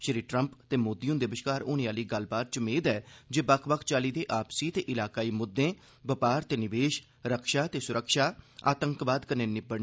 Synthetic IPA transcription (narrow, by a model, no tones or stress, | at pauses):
ʃəɾiːʈɾəmpt̪eːmoːd̪iõːd̪eʋɪʃkaːɾoːnẽːaːliːɡəl̤baːt̪̚t͡ʃəmeːd̪ɛːd͡ʒeːbəkʰbəkʰt͡ʃaːliːd̪eːʔaːpsiːt̪eːʔɪlaːkaːiːmʊd̪ːẽː | bəpaːɾt̪eːnɪʋeːʃ | ɾəkʰʃaːt̪eːsʊɾəkʃaːa̰ːt̪əŋkbaːd̪kəneːnɪbəɽ